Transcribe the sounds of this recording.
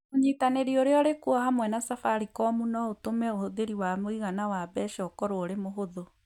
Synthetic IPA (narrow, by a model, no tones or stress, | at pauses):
oɲitaneɾioɾeɔɾekuɔhamwɛnasafaɾikɔmunɔotomɛohoðeɾiwamoiɣanawabɛʃɔkɔɾooɾemoɦoðo